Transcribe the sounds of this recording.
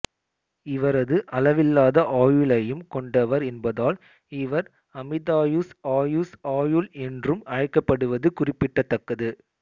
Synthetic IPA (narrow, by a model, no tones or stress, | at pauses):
ɪʋɐɾɐðɯʔɐlɐʋɪlːaːðɐʔaːjɯlɐjɯmkɔɳɖɐʋɐɾɛnbɐðaːl | ɪʋɐɾ | ɐmɪðaːjusaːjusaːjɯlɛndrɯmɐɻɐɪkːɐpːɐɽɯʋɐðɯkʊrɪpːɪʈːɐt̪ːɐkːɐðɯ